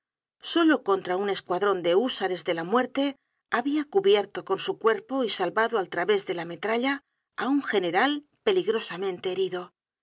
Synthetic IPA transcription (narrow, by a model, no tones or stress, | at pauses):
so̞lo̞ko̞nt̪ɾaune̞skwaðɾo̞nd̪e̞usaɾe̞zðe̞lamwe̞ɾt̪e̞ | aβiakuβje̞ɾt̪o̞ko̞nsukwe̞ɾpo̞isalβaðoalt̪ɾaβe̞zðe̞lame̞t̪ɾaʎaː | uŋxe̞ne̞ɾal | pe̞liɣɾo̞samẽnt̪e̞ːɾiðo̞